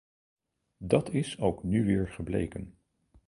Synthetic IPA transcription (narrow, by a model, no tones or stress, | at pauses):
dɑtɪsowknyʋɪːɹχəblḛjkən